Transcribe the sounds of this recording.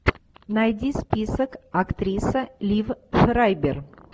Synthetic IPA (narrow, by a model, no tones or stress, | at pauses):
najdʲispʲisəkɐkt̪ɾʲisəlʲivʂɾajbʲɪr